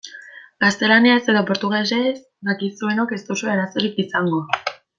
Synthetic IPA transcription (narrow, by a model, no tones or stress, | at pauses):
ɡ̥ast̪e̞laniase̞ðopo̞ɾt̪uɣeses | d̪akisue̞no̞ke̞st̪usoeɾaso̞ɾikisaŋɡo̞